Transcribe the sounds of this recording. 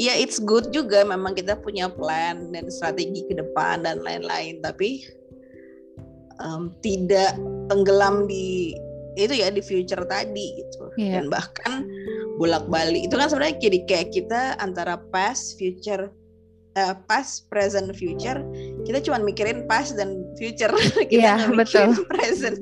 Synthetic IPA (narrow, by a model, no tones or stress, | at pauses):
jaɪt̪sɡʊt̪̚d͡ʒuɡamemaŋkit̪̬apuɲaplɛndanst̪ɾat̪eɡikədəpa̰ndanla̰ɪ̰nla̰ɪnt̪api | əmt̪idaʔt̪əŋɡəlamdi | it̪ujadifijut͡ʃərt̪adiɡit̪ṵdanbahkanbolak̚baliːt̪ukansəbənaɲakədikajaʔkːit̪aant̪aɾapasfjut͡ʃər | əpaspɾezənfjut͡ʃərkit̪at͡ʃumanmikiɾɪnpasdanfijut͡ʃərkiaambəkiʊlpɾezən